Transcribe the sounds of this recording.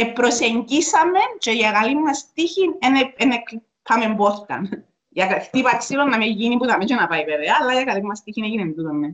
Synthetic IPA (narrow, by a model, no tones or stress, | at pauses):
epɾoseɲɟisɐment͡ʃoʝakɐlimːɐst̪içineneenek | pʰːamemboθt̪ɐ̰n | jɐkt̪ipaksilonːɐmeʝinipbut̪ɐmet͡ʃonɐpɐiveveɐːlːajɐkɐlimːɐst̪içineʝinend̪uðomːe